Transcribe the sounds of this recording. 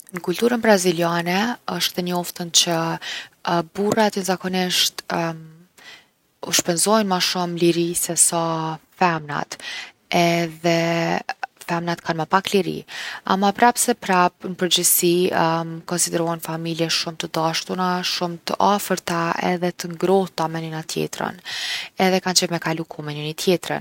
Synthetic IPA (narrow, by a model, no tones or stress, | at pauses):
nəkult̪uɾənbɾazilianɛəʃt̪ɛɲɔft̪ənt͡ɕə | burat̪ənzakɔniʃt̪m | ṵʃpɛnzɔjnmaʃumliɾisɛsafɛmna̰t̪ | ɛðɛ | fɛmnat̪kʰanməpakliɾḭa̰mapɾapsɛpɾapnəpəɾd͡ʑəsi | kɔnsid̪ɛɾuɦɛnfamiljɛʃumt̪əd̪aʃt̪unaʃumt̪əʔafəɾt̪aɛ̰ðɛt̪əŋɡɾɔht̪amɛninat̪jɛ̰t̪ɾə̰nɛðɛkant͡ʃəvmɛkalukʰumɛninit̪ʰjɛt̪ɾə̰n